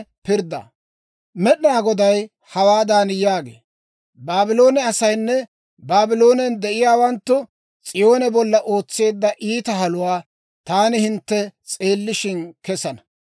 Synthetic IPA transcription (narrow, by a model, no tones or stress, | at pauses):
pɪɾd̪ɐ̰ | mɛɗnaːɡɔd̪ɐj | hɐwaːd̪aːnjaːɡḛː | baːbɪlo̞ːnɛɐsɐjnːɛ | baːbɪlo̞ːnɛnd̪ɛʔɪjaːwɐnt̪ːʊ | t͡sʼɪjo̞ːnɛbɔlːɐʔo̞ːt͡sːe̞ːd̪ːɐʔiːt̪ɐhɐlʊwaː | t̪aːnɪhɪnt̪ːɛt͡sʼeːlːɪʃɪnkɛsɐnɐ̥